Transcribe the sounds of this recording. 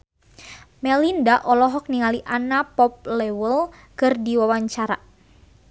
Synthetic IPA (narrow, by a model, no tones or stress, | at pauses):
mɛlindaʔɔlɔɦɔk̚niŋaliʔanapɔp̚lɛwəl | kɨrdiwawaɲt͡ʃaɾa